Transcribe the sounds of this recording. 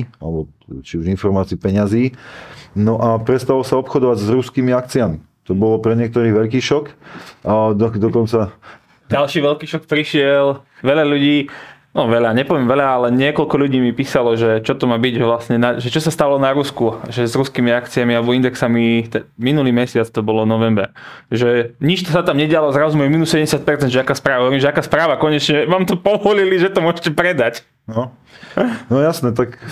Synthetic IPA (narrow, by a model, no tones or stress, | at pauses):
alɛbɔ | t͡ʃiuʒinfɔɾmaːt͡siipɛɲaziː | nɔʔapɾɛst̪alɔsaɔpxɔd̪ɔʋaɟzɾuskiːmiak̚t͡siami | t̪ɔbɔlɔpɾɛɲɪɛkt̪ɔɾiːʋɛʎkiːʃɔk | d̪ɔd̪ɔkɔnt͡sa | alʃiːʋɛʎkiːʃɔk̚pɾiʃɪɛlʋɛʎaʎuɟiːnɔʋɛʎaɲɛpɔʋjɛmʋɛʎaalɛɲɪɛkɔʎkɔʎuɟiːmipiːsalɔʒɛt͡ʃɔt̪ɔmaːbiɟʒɛʋlast̪ɲɛnaʒɛt͡ʃɔsast̪aalɔnaɾuskuʒɛzɾuskiːmiakt͡siamialɛbɔind̪ɛksamit̪ɛminuliːmɛsɪat͡st̪ɔbɔlɔnɔʋɛmbɛ̰ɾ | ʒɛɲit͡ʃt̪ɔsat̪amɲɛɟɪalɔzɾɔzumɛmiːnusɛɛmɟɛsjat̪̚pɛɾt͡sɛnd̪ʒɛakaːspɾaːʋaɦɔʋɛɾiːmʒɛakaːspɾaːʋakɔɲɛt͡ʃɲɛʋaːmt̪ɔpɔʋɔliliʒɛt̪ɔmʊɔʒɛcɛpɾɛd̪ac | nɔ | nɔjasnɛt̪̬ak